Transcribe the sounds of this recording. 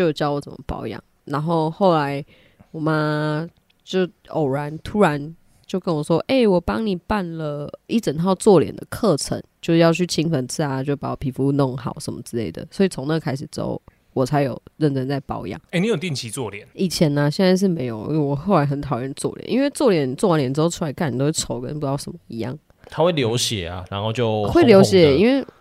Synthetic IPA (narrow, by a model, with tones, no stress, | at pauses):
o˥ʊjo˨˩t͡ɕjɑ˥ʊwɔ˧˥t͡sə̰˨˩mə̰˨pɑ̰˨˥ʊjɑ̰˨˩˦ŋ | na˧˥nxo˥˩˧ʊxo˥˩ʊla˧˦ɪ | wɔ˨˩ma˦˥ | t͡ɕjo˥˩ʊ | o˨˩ʊɻa˧˦nt̪ʰu˦˥ɻa˧˦n | t͡ɕjo˥ʊkə˦˥nwɔ˨˩ʂwɔ˦ʔe˥˩ɪwɔ˨˩pɑ˦ŋni˨˩pa˥˨nlə˨i˥˩ʈ͡ʂə˨˩nt̪ʰɑ˥˧ʊt͡swɔ˥˩ljɛ̰˨˩nd̪ə̰˨kʰɤ˥˨ʈ͡ʂʰə̰˧˦ŋt͡ɕjo˥˧ʊʂ̩˥˧jɑ˥˧ʊt͡ɕʰy˥˩t͡ɕʰi˥ŋfə˨nt͡s̩ʰ˥˩a˨t͡ɕjo˥˩ʊpa˨˧˩wɔ˨˩pʰi˨˩fu˧˦˧nɔ˥˨ŋxɑ̰˨˩˦ʊʂə̰˧˦nmə̰˦t͡sɹ̩˥˧le˥˩ɪd̪ə̰˩swɔ˧˥i˨˩t͡sʰo˧˦ŋnə˥˩ɡə˨˧kʰa˥ɪʂ̬̩˨˩t͡so̰˧˥ʊ | wɔ˨˩t͡sʰa˧ɪjo˨˩ʊɻə˥˩nʈ͡ʂə˥nt͡sa˥˩ɪpɑ˨˩˦ʊ˧jɑ̰˨˩˦ŋe˥˩ni˨˦jo˨˩ʊt̪i˥˩ŋt͡ɕʰi˧˨˦t͡swɔ˥˨ljɛ˨˩˦ni˨˩t͡ɕʰjɛ˧˥na˧ɕjɛ˥˧nt͡sa˥˧ɪʂ̬ɻ̩˥˩me˧˥ɪjo˨˩ʊ̰˥˧wwɔ˨˩xo˥˩ʊla˧˥ɪxə˧˥nt̪ʰɑ˨˩ʊɻə˥˧nt͡swɔ̰˥˩lj̰nʔḭ˧˥nwe˥˧ɪt͡swɔ˥˩ljɛ˨˩nt͡swɔ˥˩wa˦˥njɛ˨˩nʈ͡ʂɻ̩˥o˥˧ʊʈ͡ʂʰu˥a˧˥ɪka˥˩ni˨˩t̪o˥˩ʈ͡ʂʰo˧˦ʊkə̰˦npu˧˥t̪ɑ˥˩ʊʂə˨˦mə˦i˧˦jɑ̰˥˩ŋ | t̪ʰa˥xwe˥˩ɪljo˧˦ʊɕjɛ̰˨˩a̰˦ɻa˧˦nxo˥˧ʊt͡ɕjo˥˧ʊxwe˥˩ɪljo˧˥ʊɕjɛ˨˩i˥nwe˥ɪ